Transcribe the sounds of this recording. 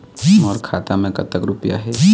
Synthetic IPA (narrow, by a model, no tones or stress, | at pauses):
iɔːɾkʰaːt̪amẽkɐ̰t̪əkɾʊpja̰ɦɛ